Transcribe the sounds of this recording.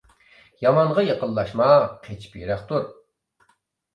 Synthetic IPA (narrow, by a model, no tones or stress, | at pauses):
jɑmɑnʁɑjeqəlˠːɑʃmɑqʰet͡ʃʰi̥pjyɾæχt̪uɾ